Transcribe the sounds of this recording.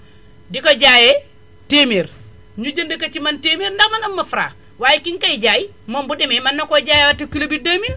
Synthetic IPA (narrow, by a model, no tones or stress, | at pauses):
dikoɟaje | temeːɾ | ɲuɟɐndekat͡ʃimantemiːɾndakmanamːɐfuɾa̰ː | waːjikiŋkaiɟaji | mombudimemanːokoɟaːjewatikilobidamin